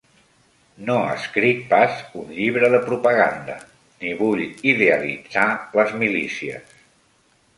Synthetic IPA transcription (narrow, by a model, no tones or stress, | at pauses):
noə̰skɾit̪̚pazunʎiβɾəðəpɾupəɣa̰nd̪ə | niβuʎiðeəlḭd͡zaləzmilḭsiə̰s